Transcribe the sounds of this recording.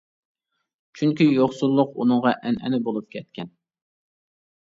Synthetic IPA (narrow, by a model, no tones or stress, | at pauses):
t͡ʃʰyŋkʲijoχsulˠːʊqunɨŋʁɑʔɛnɛ̰nɪbolˠup̚kʲʰɛt̪̚kʲʰɛn